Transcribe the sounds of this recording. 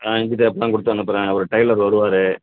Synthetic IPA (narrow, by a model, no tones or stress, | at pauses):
aːɪɲd͡ʒit̪ːeɐpːɐlãːkʊɽɯt̪ːɐ̃ɐnːɐpːɐɾẽːɐɐɾɯʈɐɪlɐɾʋɐɾɯʋaːɾɯ